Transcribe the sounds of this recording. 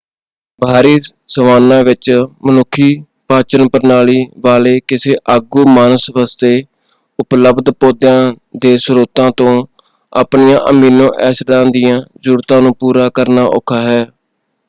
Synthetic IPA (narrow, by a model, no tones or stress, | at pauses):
bʱaːɾiːsəʋaːnãːʋɪt͡ʃmənʊkʰːiː | paːt͡ʃənpəɾnaːliːʋaːleːkɪseːʔəɡuːmaːnəsʋaːst̪eː | ʊpləbd̪poːd̪jãː | d̪eːsɾoːt̪ãːt̪õː | a̰ːpnijãːʔəmiːnõːʔɛːsɖãːnd̪ɪjãːzuːɾt̪ãːnũːpuːɾaːkəɾnaːʔo̰kʰaːɦɛː